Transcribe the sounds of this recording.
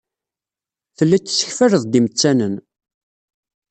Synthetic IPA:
θəlːæt͡s̪ːsə̥çfərəðˤd̪imət͡sːænən

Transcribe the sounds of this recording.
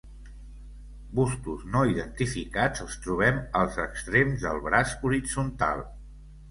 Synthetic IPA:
bust̪uznoiðənt̪ifikad͡zəlˠst̪ɾuβ̞ɛməlˠzəkst̪ɾemzðəlˠβɾasuɾid͡zunt̪a̰lˠ

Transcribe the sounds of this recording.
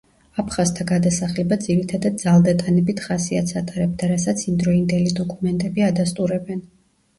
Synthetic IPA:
apʰχazt̪ʰaɡad̪asaχlɛbad̪ziɾit̪ʰad̪ad̪̚d̪zalˠd̪at̪ʼanɛbit̪ʰχasiat̪sʰat̪ʼaɾɛb̚d̪aɾasat̪sʰimd̪ɾɔind̪ɛlid̪ɔkʼumɛnt̪ʼɛbiad̪ast̪ʼuɾɛbɛn

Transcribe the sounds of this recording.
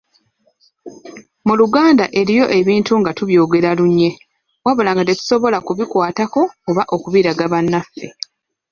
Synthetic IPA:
muluɡaːndaʔe̞ɾijo̞ʔe̞βiːntuŋɡatuβjo̞ːɡe̞ɾaluɲːe̞ | waβo̞laːŋɡate̞tu̥so̞βo̞lakuβikwaːtako̞oβaʔokuβiːɾaɡaβanːafːe̞

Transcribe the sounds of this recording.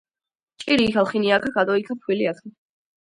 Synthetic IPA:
t͡ʃʼiɾiːkalˠχiniakʰaɡad̪ʼɔikʰapʰwiliakʰa

